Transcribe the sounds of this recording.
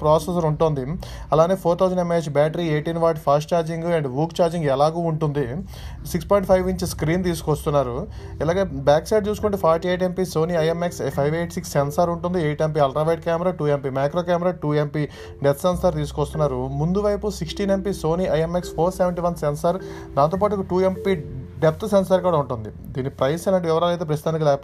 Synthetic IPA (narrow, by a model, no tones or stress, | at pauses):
pɾaːsesɐɾuɳʈoːnd̪i | ɐlaːneːpʰoːɾt̪ʰɐwzɐɳɖemeːt͡ʃbaːʈɐɾieːʈinʋaːʈpʰaːsʈ̚t͡ʃaːɾd͡ʒiŋɡɐɳɖʋuːkt͡ʃaːɾd͡ʒiŋɡɛlaːɡuːuɳʈund̪i | sikspɔːjiɳʈpʰɐjʋiɲt͡ʃiskɾiːnt̪̬iːsu̥kɐst̪unːaːɾu | ilaːɡeːbaːksɐjɖ̚t͡ʃuːsukoɳʈeːpʰaːɾʈieːʈ̬empiso̞ːniːɐjemekspʰɐjʋeːʈsiksːensɐɾuɳʈund̪ieːʈemp̬iɐlʈɾɐːʋeːʈ̚kaːmɾaːʈuːempimaːkɾoːkaːmɐɾaːʈuːempi | ɖept̪sensɐɾt̪iːsu̥kɔst̪unːaːɾumund̪uʋɐjpusiksʈiːnempiso̞ːniːʔɐjemekspʰoːɾseʋeɳʈiʋɐnsensɐɾ | d̪aːnt̪̬oːpaːʈuʈuːempiɖep̚ʰt̪sensɐɾkuːɽaːuɳʈund̪i | d̪iːnːipɾɐjsɛlaːɳʈiʋiʋɐɾaːlejt̪ep̬ɾɐsid̪aːnik̬ilɛːkp